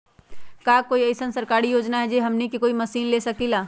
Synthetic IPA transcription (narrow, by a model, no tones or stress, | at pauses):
kaːkoːiɐɪsənsɐɾkaːɾijoːd͡ʒnaɦɛd͡ʒeɦɐmnikekoːimɐsiːnleːsɐkilaː